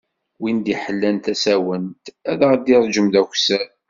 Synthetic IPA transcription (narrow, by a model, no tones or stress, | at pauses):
wind̪iħəlːænt̪æsæwənt̪æðæʁd̪iɾˤd͡ʒəmd̪ækʷsæ